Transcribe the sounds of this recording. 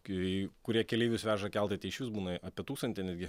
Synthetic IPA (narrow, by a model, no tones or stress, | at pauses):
kʊɾʲiɛkʲɛlʲiːʋʲʊsʋʲæːʒɐkʲɛlˠt̪ɐɪt̪ʲɛɪʃʲʋʲɪsbuːnɐɐpʲiɛt̪uːkst̪ɐnʲt̪ʲɪnʲæːd̪ɡʲɪ